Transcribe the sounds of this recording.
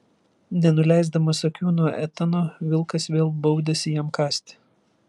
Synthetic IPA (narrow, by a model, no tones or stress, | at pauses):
nʲɛnʊlʲæˑɪzd̪ɐmɐsɐkʲuːnuɔʔɛt̪ɐnoːʋʲɪlˠkɐsʋʲeːlˠbɐʊd̪ʲɛsʲɪjimkɑːsʲt̪ʲɪ̥